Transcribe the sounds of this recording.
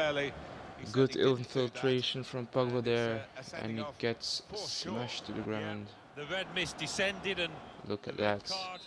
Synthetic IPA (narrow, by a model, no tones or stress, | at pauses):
ɡʊdɪ̰l̃ˠnfɪlˠtʰɹ̥eɪʃə̃nfɹʌ̃mpʌɡləðɛɹɨ̰̃nɨt̚ɡ̥ɛtsmʌʃtʰɨðɨɡɹãʊ̃nd | ðɨɹɛd̚mɪsd̥ɪsɛ̃ndɪɾɨ̃nlʊkɨ̰ʔ̪̚ðæt